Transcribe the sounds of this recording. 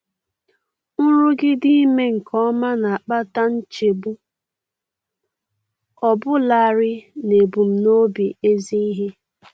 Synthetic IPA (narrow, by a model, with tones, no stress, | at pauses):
n̩˦ɾʊ˦ɡɪ˦dɪ˦me˦ŋ̩˨kʰɔ˦ma˦na˨a˨k͡pa˦ta˦n̩˦t͡ʃe˨bu˦ | ɔ˨bʊ˦la˨a˨ɾɪ˦ne˨bu˨m̩˨no˦bi˨e˦zi˦i˦ɦe˦